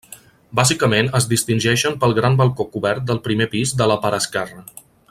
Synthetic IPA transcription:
bazikəmenəzðist̪inʲʒɛʃəmpəlˠɣɾambəlˠkokuβɛɾt̪̚d̪əlˠpɾimepizd̪ələpəɾəskɛrə

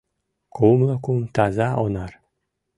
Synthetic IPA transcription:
kumlˠəkumt̪ɑzɑʔonɑr

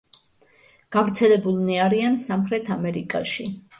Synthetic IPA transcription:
ɡ̥avɾt̪sʰɛlɛbulˠniaɾiansamχɾɛt̪ʰamɛɾikʼa̰ʃi

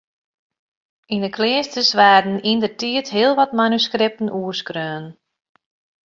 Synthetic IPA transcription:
indəklɪːəstəsʋaːrdən̩indərtiətɦɪəlˠʋɔtmanyskɾɪp̚tən̩ʔuəskrøːn

